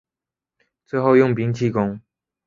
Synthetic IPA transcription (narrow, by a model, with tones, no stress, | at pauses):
t͡swe˥˧ɪxo˥˧ʊjʊ˥˩ŋpi˧˥ŋt͡ɕʰi˥˩kʊ˥ŋ